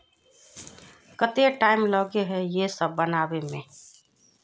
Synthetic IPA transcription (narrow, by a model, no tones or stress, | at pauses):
kət̪eʈaːɪmlɔːɡeɦɛjesəbːənaːbemẽː